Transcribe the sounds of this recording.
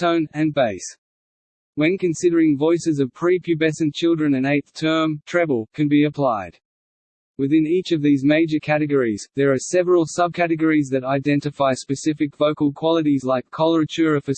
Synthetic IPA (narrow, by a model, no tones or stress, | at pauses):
tõʊ̃nɨ̃nbeɪs | wɨ̃nkɨ̃nsɪɾə˞ɪ̃ŋvɔɪsɨzʌv̥pʰɹ̥ipʰjʉbɛsɨ̃nt͡ʃʰɪlˠdɹɨ̃nɨ̃neɪt̪θtʰɜ̃˞mtʰɹ̥ɛvl̩ˠkʰɨ̃nbiɨpʰl̥aɪd̥̚ | wɨðɪ̃nit͡ʃʌvðizmeɪd͡ʒə˞kʰæɾɨɡəɹizðə˞ːsɛvəɹəl̩ˠsʌb̚kʰæɾɨɡəɹizðɨɾaɪdɛ̃ntɨfaɪspɨsɪfɨkv̥oʊkl̩ˠkʰw̥ɑlˠəɾizlaɪkʰːɑlˠə˞ɨt͡ʃʰʊɹəfə